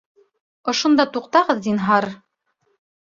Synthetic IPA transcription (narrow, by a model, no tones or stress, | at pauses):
ŏʃŏnd̪ɑt̪uqt̪ɑʁɤðd̪inɦɑɾ